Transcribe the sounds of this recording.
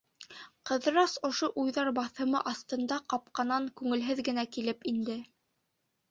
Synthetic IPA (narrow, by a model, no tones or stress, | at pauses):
qɤ̆ð̆ɾɑsŏʃoʔujðɑɾbɑθɤ̆mɤʔɑθt̪ɤ̆nd̪ɑqɑp̚qɑnɑŋkʉŋɘ̆lɦɘðɡɘ̆nækilɘpind̪ɘ